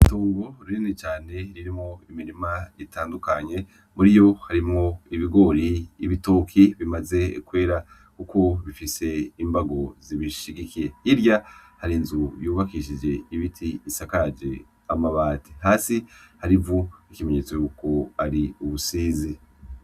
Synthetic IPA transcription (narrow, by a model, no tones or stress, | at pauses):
itoːŋɡo̞ɾuɾinet͡ʃaːne̞ɾiɾimŋo̞imiɾimaitaːndukaɲe̞ | muɾijo̞haɾimŋo̞iβiɡo̞ɾiːβito̞kʰiβimaze̞kwe̞ːɾa | kuko̞βifise̞imbaɡo̞ziβiʃiɡikiɾe̞iɾjahaɾinzujuːβakiʃid͡ʒe̞iβitʰiːsakad͡ʒe̞ | amaβaːtiɦaːsihaɾivuikime̞ɲet͡so̞juːko̞aɾiuβusiːzi